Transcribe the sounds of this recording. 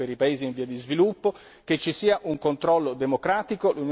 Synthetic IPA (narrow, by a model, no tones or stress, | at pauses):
eɾipaeːziːɱviːad̪izvilupːo | ket͡ʃːisiːaʔuŋkont̪ɾɔlːod̪emokɾaːt̪ikolun